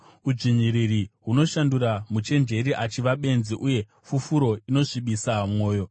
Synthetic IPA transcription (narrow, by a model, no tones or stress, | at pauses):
ud͡ʐiɲiɾiriɦuno̞ʃanduɾamut͡ʃe̞nd͡ʒe̞ɾiʔat͡ʃiʋaɓe̞nziʔuje̞ | fufuɾo̞ino̞ʂiɓisamŋo̞ːjo̞